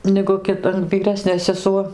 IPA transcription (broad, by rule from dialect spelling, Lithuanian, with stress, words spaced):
nʲɛɡʊ ˈkʲɪt ʋʲiːˈrʲæːsʲnʲeː sʲɛˈsuɔ